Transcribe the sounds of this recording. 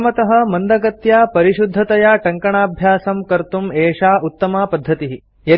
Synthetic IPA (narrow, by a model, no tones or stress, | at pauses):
mɐt̪ɐɦɐ̆mɐnd̪ɐɡɐt̪jaːpɐɾiʃud̪ʱːɐt̪ɐjaːʈɐŋkɐɳaːbʱjaːsɐmkɐɾt̪umeːʂaːʔut̪ːɐmaːpɐd̪ʱːɐt̪iɦi | jɐ